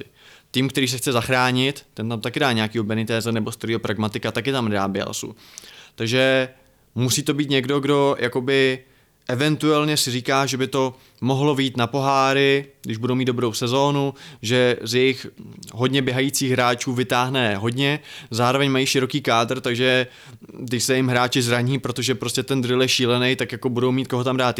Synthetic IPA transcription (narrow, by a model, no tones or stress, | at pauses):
ɪt̪iːmkt̪ɛɾiːs̬ɛxt͡sɛzaxɾaːɲɪt̪t̪ɛnt̪amt̪akɪdaːɲɛakiːɦobɛnɪt̪ɛːzɛnɛbo̞st̪ɾɪopɾaɡmat̪ɪkat̪akɪt̪amnda̰ːbɪɛ̰l̰sṵ | t̪aɡʒɛ | musiːt̪o̞biːt̪ɲɛɡdo̞ɡdo̞jʔako̞bɪ | ʔɛvɛnt̪uɛlɲɛsɪriːkaːʒɛbɪt̪o̞ | mo̞ɦlo̞viːt̪napo̞ɦaːɾɪɡdɪʒbudowmiːd̪dobɾowsɛzo̞ːnuʒɛzjɛjɪxɦo̞dɲɛbjɛɦajit͡siːɣɦɾaːt͡ʃuːvɪt̪aːɦnɛɦo̞dɲɛzaːɾo̞vɛɲmajiːʃɪɾo̞kiːkaːdr̩t̪aɡʒɛ | t̪ɪsɛjɪmɦɾaːt͡ʃɪzɾaɲiːpɾo̞t̪o̞ʒɛpɾo̞scɛt̪ɛnd̪ɾɪljɛʃiːlɛnejt̪akjako̞budo̞wmiːt̪̚ko̞ɦo̞t̪amdaːt̪